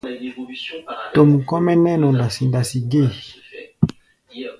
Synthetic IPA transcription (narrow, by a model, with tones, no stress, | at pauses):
to˨mu˨kɔ˦mɛ˦nɛ˦nɔ˨nda˨si˨nda˨si˨ɡe˦˨